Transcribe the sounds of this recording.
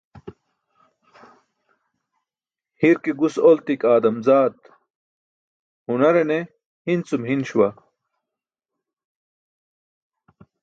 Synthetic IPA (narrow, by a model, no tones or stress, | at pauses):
hiɾkiɡusolt̪ikaːd̪ɐmzaːd̪ | hunɐɾene | hint͡sumɦinɕuwɐ